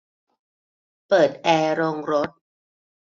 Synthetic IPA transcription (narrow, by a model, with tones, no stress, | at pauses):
pɤː˨˩t̪̚ʔɛː˧ɾoː˧ŋɾo˦˥t̪̚